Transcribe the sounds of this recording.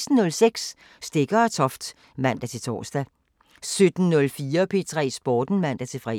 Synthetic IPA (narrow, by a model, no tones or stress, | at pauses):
sd̥n̩nɔ̽lseɡ̥sː | d̥e̝ɡ̥ɐæt͡sʰɒ̽fd̥ | mæn̰d̥æt͡sʰe̝t͡sʰɒ̰ːsd̥æ | sød̥n̩nɔ̽lfiːɐpʰe̝t͡sʰʁɛ̰ːsb̥ɒːd̥n̩mæn̰d̥æt͡sʰe̝fʁɛ̰ː